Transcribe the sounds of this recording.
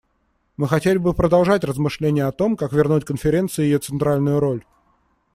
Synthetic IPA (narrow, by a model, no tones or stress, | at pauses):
mɨxɐtʲelʲɪbɨpɾəd̪ɐlˠʐatʲrəzmɨʂlʲenʲɪjəɐt̪o̞mkakvʲɪrnutʲkənfʲɪɾʲe̞nt̪sɨjjɪjo̞t̪sɨnt̪ɾalʲnʊjʊɾo̞lʲ